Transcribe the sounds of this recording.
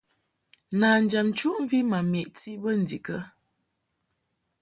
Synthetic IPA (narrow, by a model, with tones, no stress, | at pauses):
naː˨n˨d͡ʒa˨mt͡ʃu˦ʔɱ˦vi˦ma˨mjɛ˨ʔti˦bə˦n̩˨di˨kə˦